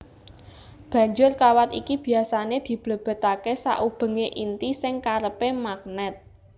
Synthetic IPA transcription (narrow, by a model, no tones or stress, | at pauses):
b̥ä̤ɲd͡ʒʊrkawat̪ikib̥i̤asaned̪̥i̤b̥lə̤b̥ə̤t̪akesa̰ʔub̥ə̤ŋeʔint̪isɪŋkaɾəpemak̚nɛt̪̚